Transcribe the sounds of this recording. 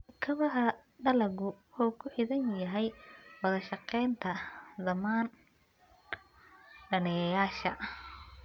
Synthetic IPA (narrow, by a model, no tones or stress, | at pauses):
kʰɐβɐɦɐɖɐlɐɡʊwwʊħuːkʰʊħɪðɐnjɐɦɛjwɐðɐʃɑqɛjnt̪ʰɐd̪ɐmaːn | ɖɐnɛjaːʃɐ